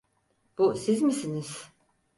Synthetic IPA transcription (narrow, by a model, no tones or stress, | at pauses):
b̥usizmisiniz̥